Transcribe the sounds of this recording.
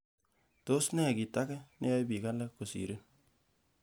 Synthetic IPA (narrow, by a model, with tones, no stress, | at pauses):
to˦snɛ˦˨ki˨ta˦kɛ˦nɛ˦ja˦jbi˨ka˦la˦kːo˨sḭ˨ɾɪ˦n